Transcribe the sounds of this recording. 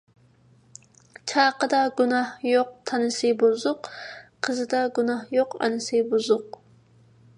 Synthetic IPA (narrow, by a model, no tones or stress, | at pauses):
t͡ʃʰɑːqəd̪ɑɡunɑhjoq̚t̪ʰɑnɨsɨbuzʊqqʰəzɨd̪ɑɡunɑhjoqɑ̰nɨsɨbuzʊq